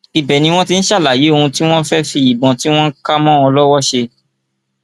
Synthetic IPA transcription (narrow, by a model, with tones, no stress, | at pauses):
i˨bɛ˨nĩ˧w̃ɔ̃˦ti˦n̩˦ʃa˦˨la˨je˨˦o˧hũ˧ti˦w̃ɔ̃˦n̩˦fɛ˦fi˧i˨bɔ̃˨ti˦w̃ɔ̃˦n̩˦ka˦mɔ̃˦ɔ˧lɔ˦wɔ˦ʃe˧